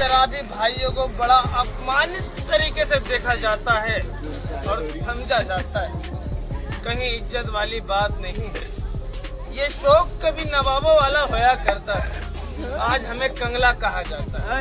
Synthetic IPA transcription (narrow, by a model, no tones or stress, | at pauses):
ɐɾaːd̪ʱibʱaːijõkobɐɽaʔɐpmaːnɪt̪ːɐɾiːkesed̪eːkʰad͡ʒaːt̪aɦɛː | ɔːɾsɐ̃md͡ʒʱad͡ʒaːt̪aɦɛː | kɐɦĩɪd͡ʒət̪ʋaːlibaːt̪nɐɦĩɦɛ̰ː | jeʃɔːkːɐbʱinɐʋaːʋõʋaːlaɦojakɐɾt̪aɦɛ̰ | aːd͡ʒɦɐmẽkɐ̃ŋɡlakɐɦad͡ʒaːt̪aɦɛ